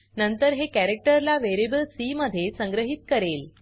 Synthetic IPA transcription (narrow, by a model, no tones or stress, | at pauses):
nənt̪əɾɦekæɾek̚ʈəɾlaʋeɾibəlsiməd̪ʱːjesə̃ŋɡɾəɦit̪̚kəɾel